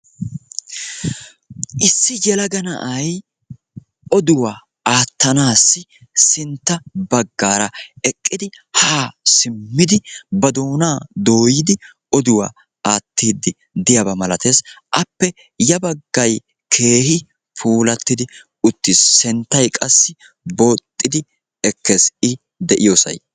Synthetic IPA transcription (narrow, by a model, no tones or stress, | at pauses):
ʔɪsːɪjɛlɐɡɐnɐ̰ʔɐj | ɔd̪ʊwaː | aːt̪ːɐnaːsːɪsɪnt̪ːɐbɐɡːaːɾɐɛkʼːɪd̪ɪ | haːsɪmːɪd̪ɪbɐd̪oːnaːd̪o̞ːjɪd̪ɪ | ɔd̪ʊwa̰ː | aːt̪ːiːd̪ːɪ | d̪ɪjɐbɐmɐlɐt̪e̞ːsʔɐpːɛ | jɐbɐɡːɐj | kʰe̞ːhɪ | pʰuːlɐt̪ːɪd̪ɪ | ʊt̪ːɪsːɛnt̪ːɐjkʼɐsːɪ | bo̞ːt̪ʼːɪd̪ɪ | ɛkʰːesɪ | d̪ɛʔɪjoːsɐ̰j